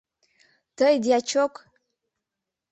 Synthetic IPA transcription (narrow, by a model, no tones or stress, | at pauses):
tʰəjdjat͡ʃʰokʷʼ